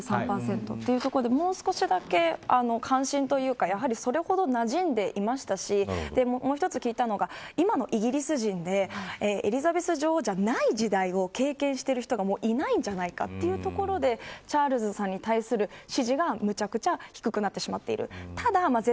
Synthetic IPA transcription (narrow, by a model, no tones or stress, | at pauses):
sãmpaːsẽ̞nt̪o̞̰t̪ːe̞jɯ̟t̪o̞koɾod̪e̞mo̞ːsɨ̥ko̞ɕid̪ake̞ano̞kʰãɰ̃ɕĩnt̪o̞jɯ̟ːkajaɦaɾʲiso̞ɾe̞ho̞d̪o̞naʑĩnd̪e̞ʔimaɕi̥t̪aɕid̪e̞mmo̞ːçi̥t̪o̞t͡sɨ̥kʲiːt̪ano̞ɡaimano̞ʔiɡʲiɾʲisɨʑĩnd̪e̞eːeɾʲizabe̞sɨʑo̞ːd͡ʑanaid͡ʑid̪aio̞ke̞ːkẽ̞ɰ̃ɕi̥t̪eɾɯ̟çi̥t̪o̞ɡamo̞ːʔinaĩɲ̟d͡ʑanaika̰t̪ːe̞jɯ̟t̪o̞ko̞ɾo̞d̪e̞t͡ɕaːɾɯ̟zɨsãɲ̟ːit̪aisɨɾɯ̟ɕiʑiɡamɯ̟t͡ɕakɯ̟̥t͡ɕaçi̥kɯ̟kɯ̟nat̪ːe̞ɕimat̪ːe̞̰ḭɾɯ̟̰t̪ad̪amaze